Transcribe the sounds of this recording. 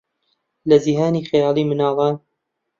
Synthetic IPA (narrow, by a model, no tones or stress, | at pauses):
lɐziɦaːniːxjɑːlˠiːmɨnɑːla